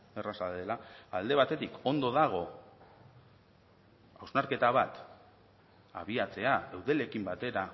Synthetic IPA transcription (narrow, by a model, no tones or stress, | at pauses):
erasalelaald̪e̞β̞at̪e̞t̪iko̞nd̪o̞ðaɣ̞o̞ | awznaɾke̞t̪aβ̞at̪ | a̰βiat͡se̞aewðe̞le̞kimbat̪e̞ɾa